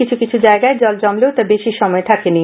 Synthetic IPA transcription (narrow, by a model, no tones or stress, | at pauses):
it͡ɕʰukit͡ɕʰud͡ʑaeɡaed͡ʑɔld͡ʑɔmlet̪abeʃiʃɔmɔet̪ʰakeni